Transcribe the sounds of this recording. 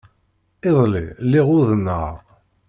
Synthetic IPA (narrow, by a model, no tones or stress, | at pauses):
ɪðˤlḭlːiʁʊðənːə̰ʁ